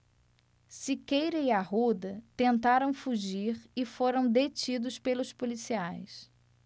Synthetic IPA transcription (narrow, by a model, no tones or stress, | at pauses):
sɪkejɾɐiaɦud̪ɐt̪ẽnt̪aɾɐ̃w̃fuʒiɾɪfoɾɐ̃w̃d̪et͡ʃid̪ʊspelʊspolisiajs